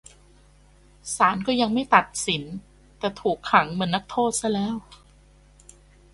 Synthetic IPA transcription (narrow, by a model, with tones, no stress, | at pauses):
saː˩˦nkɔː˥˩ja˧ŋma˥˩jt̪a˨˩t̪̚si˩˦n | t̪ɛː˨˩t̪ʰuː˨˩kʰːa˩˦ŋmɯ˩˦ənːa˦˥k̚t̪ʰoː˥˩t̪̚sa˥˩lɛː˦˥˩w